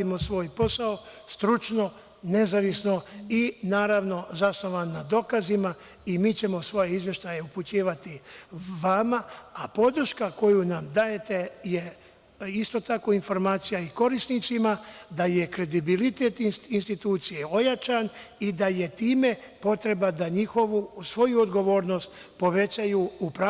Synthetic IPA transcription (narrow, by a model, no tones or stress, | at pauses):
imo̞sʋo̞ːjpo̞saost̪ɾut͡ʃno̞ | ne̞zaʋisno̞inaːɾaʋno̞zasno̞ʋanːad̪o̞kazima | imiːt͡ɕe̞mo̞sʋo̞je̞izʋje̞ʃt̪aje̞uput͡ɕiːʋat̪iʋamaapo̞d̪ɾ̩ʃkako̞junamd̪aje̞t̪e̞je̞ | ist̪o̞t̪ako̞info̞ɾmaːt̪sijaiko̞ɾisnit̪simad̪aje̞kɾe̞d̪ibilit̪e̞t̪ininst̪it̪uːt̪sijeo̞jat͡ʃanid̪aje̞t̪iːme̞ | po̞t̪ɾe̞bad̪aɲixo̞ʋusʋo̞juod̪ɡo̞ʋo̞ːɾno̞st̪ | po̞ʋe̞t͡ɕajuupɾa